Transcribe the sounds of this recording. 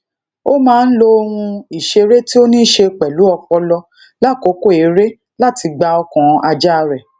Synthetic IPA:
o˦mãː˦n̩˦lo˦o˧hũ˧i˨ʃe˧ɾe˦ti˦o˦nĩ˦˨ʃe˧k͡pɛ˨lu˨˦ɔ˧kɔ˧lɔ˧ | la˦˨ko˨˦ko˦˨e˨˦ɾe˦ | la˦ti˧ɡ͡ba˧ɔ˧kɔ̃˨a˧d͡ʒa˦˧ɾɛ˨

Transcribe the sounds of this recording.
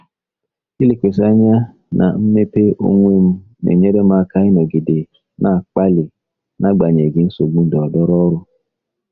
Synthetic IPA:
i˦li˨kʷe˨s̬a˦ɲa˦ | nʔa̰˨m̩˦me˦pe˦ʔo̰˦ŋʷe˦m̩˦ | nḛ˨ɲe˦ɾe˦ma˦ka˦ɪ˦ne˨ɡi˨de˨ | na˨k͡pa˦lɪ˨ | na˦ɡ͡ba˨ɲe˨ɡɪ˨˦n̩˦so˨ɡ͡bu˦dɔ˨ɔ˨dɔ˦ɾɔ˦ɾʊ˦

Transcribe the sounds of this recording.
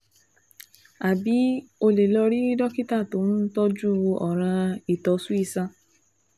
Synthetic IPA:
a˨bi˨˦o˧le˨lɔ˧ɾi˦i˦dɔ˦ki˦ta˦˨to˨˦mũ˦tɔ˦d͡ʒu˦˨˧ɔ̰˨ɾ̃ã˧i˨tɔ˨˧su˦i˦˨sã˧

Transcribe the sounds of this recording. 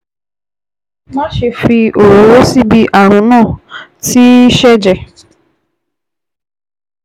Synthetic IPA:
ma˦ʃe˧fi˧ʔo˨ɾo˨wo˦si˦bi˦ʔa˨ɾ̃ʊ̃˨nãː˦˨tʰi˦ʃɛ˦d͡ʒɛ˨

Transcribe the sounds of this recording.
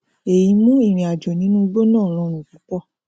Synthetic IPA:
e˨jĩ˧˦mũ˦i˦˨ɾ̃ĩ˧a˨d͡ʒɔ˨nĩ˨˦nũ˦˧ɡ͡bo˦nãː˦˨ɾ̃ɔ̃˧ɾ̃ũ˨ku˨˦k͡pɔ˦˨

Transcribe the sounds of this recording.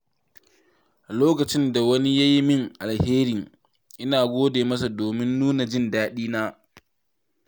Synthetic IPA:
loː˦kɐ˨t͡ʃɪ˦nda˨wɐ˦ni˦ja˦ji˦mɪ˦˨ŋʔa˨lheː˦ɾi˨ | ʔɪ˦naː˨ɡʷoː˦deː˨mɐ˦s̬a˨doː˨mɪ˦nːuː˦na˨d͡ʒɪ˦ndaː˦ɗiː˦naː˦

